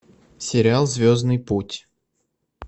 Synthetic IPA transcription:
sʲɪɾʲɪalˠzʲvʲoznɨjputʲ

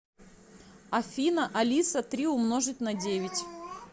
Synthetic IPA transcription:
ɐfʲinəʔɐlʲisət̪ɾʲiʊmno̞ʐɨt̪ʲnɐdʲevʲɪtʲ

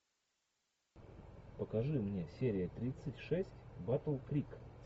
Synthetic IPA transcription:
pəkɐʐɨmnʲe̞sʲeɾʲɪjət̪ɾʲit̪sɨtʲʂɛsʲtʲbat̪əlˠkɾʲik

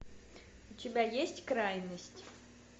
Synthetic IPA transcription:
utʲɪbʲajesʲtʲkɾajnəsʲtʲ

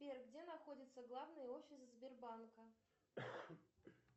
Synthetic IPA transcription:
pʲerɡdʲe̞nɐxo̞dʲɪt̪səɡlˠavnɨjəo̞fʲːɪszbʲɪrbankə

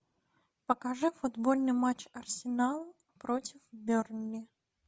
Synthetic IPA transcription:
pəkɐʐɨfʊd̪bolʲnɨjmat͡ɕɐrsʲɪnalˠ | pɾotʲɪfbʲornʲːɪ

